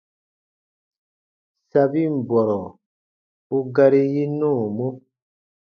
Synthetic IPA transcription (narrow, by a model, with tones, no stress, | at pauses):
sa˧bi˦m̩˨bɔ˨ɾɔ˨ | u˦ɡa˧ɾi˦ji˦nũː˦˨mo˦